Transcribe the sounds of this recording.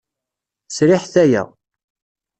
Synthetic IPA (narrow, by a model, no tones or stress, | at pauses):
sɾɪħθæjæ̰